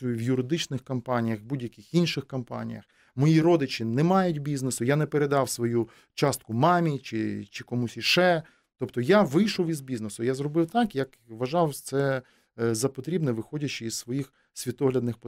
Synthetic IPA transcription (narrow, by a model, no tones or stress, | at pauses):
wjʊɾɪd̪ɪt͡ʃnɪxkɐmpɑnʲijɐxbudʲjɐkʲɪxinʃɪxkɐmpɑ̰nʲḭjɐ̰x | mɔjiɾɔd̪ɪt͡ʃɪnɛmɑjʊtʲbʲiznesʊjanɛpeɾed̪ɑwsʋɔju | t͡ʃɑst̪̚kʊmɑmʲit͡ʃɪ̰t͡ʃɪkɔmusʲiʃɛ | t̪ɔpt̪ɔjaʋɪjʃɔwizbʲiznesʊjazɾɔbɪwt̪ɑkjɐk | ʋɐʒɑwt̪sɛ | zɐpɔt̪ɾʲibnɛʋɪxɔdʲɐt͡ʃɪissʋɔjix | sʲʋʲit̪ɔɦlʲɐd̪nɪxp